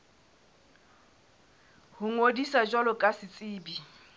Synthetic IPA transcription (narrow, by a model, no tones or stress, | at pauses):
hʊŋodisad͡ʒwalɔkʼasɪt͡sʼɪːbi